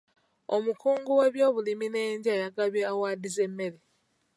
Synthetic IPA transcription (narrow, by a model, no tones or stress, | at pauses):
omukuːŋɡuwe̞βjo̞ːβulimine̞ːɲɟajaɡaβjeawaːdize̞mːe̞le